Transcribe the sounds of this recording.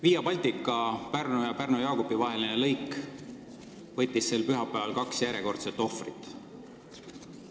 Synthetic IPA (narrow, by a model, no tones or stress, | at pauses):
viːjɑpɑlʲt̪ikːˑɑpærnujɑpærnojɑːkobivɑɦe̞linelɤjk | vɤt̪ʲːˑisːe̞lpyɦɑpːˑæɑlkɑksjæɾje̞ko̞rt̪set̪ːˑo̞frit̪ːˑ